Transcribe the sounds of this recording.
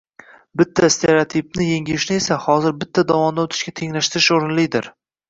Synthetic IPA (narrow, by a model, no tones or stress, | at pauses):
bɪt̪ʰːast̪ʰe̞ɾeot̪ʰip̚nɪjeŋʲɪɪʃnɪesahɒzɪɾbɪt̪ʰːad̪avɒmd̪aot̪ʰɪ̥ʃkʲat̪ʰe̞ŋlaʃt̪ɪɾɪʃoɾɪnlɪjd̪ɪɾ